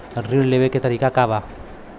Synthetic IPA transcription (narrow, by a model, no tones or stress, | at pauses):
rileβeket̪aɾikakaβa